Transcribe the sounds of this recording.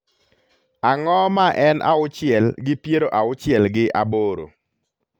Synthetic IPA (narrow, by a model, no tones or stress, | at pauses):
aŋɔmaʔɛnʔa̰ʊt͡ʃɪɛlɡɪpjeɾoʔaʊt͡ʃɪɛlɡɪʔa̰boɾo̰